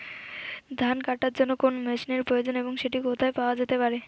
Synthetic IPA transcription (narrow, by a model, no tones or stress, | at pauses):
d̪ʱankaʈaɾd͡ʑonːokonomeʃineɾpɾojod͡ʑoneboŋʃeʈikot̪ʰaepaoad͡ʑet̪epaɾe